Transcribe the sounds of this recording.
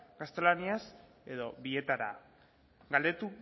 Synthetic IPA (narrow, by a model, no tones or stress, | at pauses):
ɡast̪e̞lanias | e̞ðoβie̞t̪aɾa̰ | ɡald̪e̞t̪u